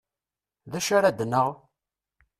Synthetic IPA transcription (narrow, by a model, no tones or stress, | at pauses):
ðæʃaɾad̪nːəʁ